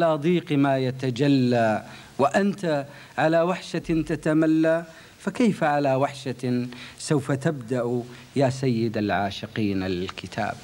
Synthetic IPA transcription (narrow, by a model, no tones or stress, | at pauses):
alaːd̪ˤiːqmaːjat̪ad͡ʒalːa | wɪʔant̪a | ʕalawaħʃat̪at̪amalːa | fakaːfaʕalawaħʃasawfat̪abd̪aʔ | jaːsajːɪd̪alʕaːʃɪqiːnalɪlkɪt̪ʰa̰ːb̚